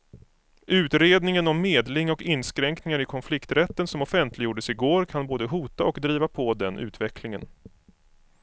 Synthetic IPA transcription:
ʔʉ̟ːt̪ɾeːd̪nɪŋənɔmːeːd̪lɪŋɔkɪnːskɾɛŋknɪŋaɾɪkʰɔnflɪkt̪ɾɛt̪ːənsɔmɔfɛnt̪ʰlɪɡjuːɖəsɪɡoːɾkʰanboːd̪əɦuːt̪aɔkd̪ɾiːvapʰɔd̪ɛnʔʉ̟̰ːt̪vɛkʰlɪŋə̰n

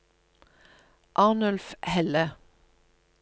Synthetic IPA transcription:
ʔɑːnœlfhɛlə

